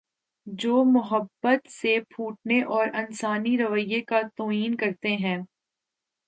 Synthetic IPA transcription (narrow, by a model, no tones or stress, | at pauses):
d͡ʒoːmʊɦəbːət̪sepʰuːʈ̚neʔɔːɾɐnsaːniɾɐʋəjːekat̪oːiːnkɐɾt̪eɦɛ̃ː